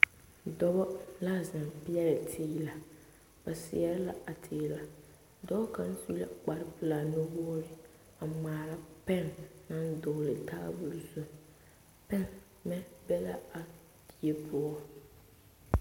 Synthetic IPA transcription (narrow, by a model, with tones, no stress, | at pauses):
dɔ˦bɔ˦la˦˨za˨mpɪ˦ɛ˦ɾɪ˨tʰɪː˦la˨ | b̥a˨sɪ̰˨ɛ˦ɾɪ˦la̰˦a˨tʰɪː˨la˨ | dɔ˦bɔ˦ka˨n̩˦su˦la̰˨k͡pa˨ɾɪ˦pɪ˨la˨no˦wɔ˦ɔ˦ɾɪ˦ | a˨ŋ͡maː˨la˨pɛ˦˨ŋna˦n˦dʊ˨ɣlɪ˨ta˦bʊ˨lzʊ˦ | pɛ˦ŋ | mɛ˦bɛ˦la̰˦a˨ | di˨e˦pʰʊ˦ɔ˦